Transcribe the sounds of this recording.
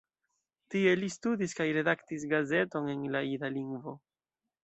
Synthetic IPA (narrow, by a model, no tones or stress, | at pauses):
tie̞listudiskajɾe̞daktis̬ɡaze̞to̞ne̞nlaiɾaliŋɡvo̞